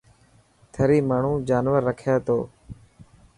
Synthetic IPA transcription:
t̪ʰəɾiːmaːɳ̤ũːd͡ʒaːnʋəɾːəkʰjaːt̪o̰ː

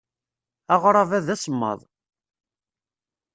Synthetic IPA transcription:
ɑʁɾˤɑvæðæsəmːɑ̰ðˤ

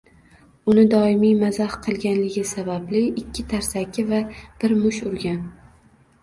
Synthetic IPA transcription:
ʊnɪd̪ɒɪmijmazahqʰɨlˠɡʲanlɪɡʲɪsabablɪɪkʲʰːɪt̪ʰaɾsakʰʲɪvab̥ɪɾmʊʃʊɾɡʲan

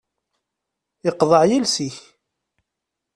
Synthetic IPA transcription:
ɪqðˤəʕjilsiç

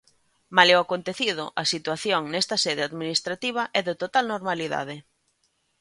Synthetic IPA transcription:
maleoakont̪eθiðʊʔɐsit̪waθjoŋnɛst̪ɐsɛðɪaðminist̪ɾat̪iβ̞ɐʔɛðɪt̪ot̪alnoɾmaliða̰ðɪ

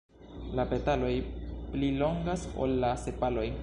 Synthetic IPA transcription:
lape̞talo̞jplilo̞ŋɡaso̰lːase̞palo̞j

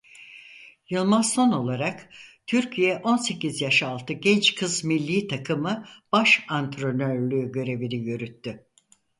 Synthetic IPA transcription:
jɯlˠmansono̞lˠaɾakt̪ʰyɾcʰijɛʔo̞nse̞cizjaʃalˠt̪ʰɯɟɛnt͡ʃkʰɯzmilʲːiːt̪ʰakʰɯmɯb̥aʃant̪ɾonøɾlʲyːɟø̞ɾe̞viɾijøɾyt̪ːy

